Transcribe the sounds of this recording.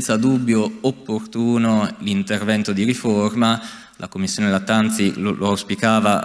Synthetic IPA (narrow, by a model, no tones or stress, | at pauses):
nt̪sad̪ubːjoopːort̪uːnolint̪ervɛnt̪od̪iɾiforma | lʔa̰komːisːjoːnelat̪ant̪silolʔoawspikaːva